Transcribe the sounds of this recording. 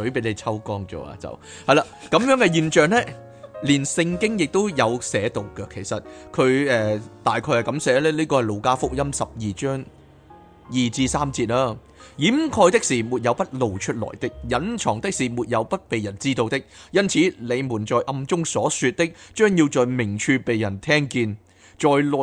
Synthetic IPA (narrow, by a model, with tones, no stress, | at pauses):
sɵ˨˥ɥpe˨˥jle˨˧jt͡sʰɐ˥wkɔː˥ŋt͡sɔ̰ː˨˧a̰ː˧t͡sɐ̰˨˩w | hɐ˨jlaː˧kɐ˨˧mjœː˨˥ŋkɛ˧jiː˧nt͡ʃœː˨ŋlɛː˥ | liː˨˩nsɪ˧ŋkɪ˥ŋjɪ˨k̚t̪o˥wjɐ˨˧wsɛː˨˥t̪o˨wkɛ˧kʰe˨˩jsɐ˨t̚kʰɵ˨˧ɥɛː˨˧t̪aː˨jkʰɔː˧jhɐ˨˩kɐ˨˥msɛː˨˥lɛː˥liː˥kɔː˧hɐ˨jlo˨˧wkaː˥fʊ˥k̚jɐ˥msɐ˨p̚jiː˨t͡ʃœː˥ŋ | jiː˨t͡siː˧saː˥mt͡siː˧t̚laː˥ | jiː˨˥mkʰɔː˧jt̪ɪ˥k̚siː˨˩muː˨t̚jɐ˨˧wpɐ˥t̚lo˨wt͡ʃʰɵ˥t̚lɔ̰ː˨˩jt̪ɪ˥k̚jɐ˨˥nt͡ʃʰɔː˨˩ŋt̪ɪ˥k̚siː˨˩muː˨˩t̚jɐ˨˧wpɐ˥t̚pe˨jɐ˨˩nt͡siː˥t̪o˧wt̪ɪ˥k̚jɐ˥nt͡sʰiː˨˥le˨˧jmuː˨˩nt͡ʃɔː˨jʔɐ˧mt͡sʊ˥ŋsɔː˨˥syː˧t̚t̪ɪ˥k̚t͡ʃœː˥ŋjiː˧wt͡sɔː˨jmɪ˨˩ŋt͡ʃʰyː˧pe˨jːɐ˨˩nt̪ʰɛː˥ŋkiː˧n | t͡ʃɔː˨jlɔː˨